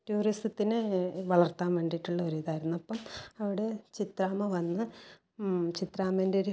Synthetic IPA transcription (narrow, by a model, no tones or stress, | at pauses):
tuːristɨt̪ːinɨʋɐɭɐrt̪aːnʋe̞ːɳɖiʈːuɭːɐɐɾujðaːjiɾunːuɐpːɐmɐʋiɽe̞t͡ɕit̪raːmɐʋɐnːɨ | t͡ɕit̪ɾaːmeːnde̞oɾu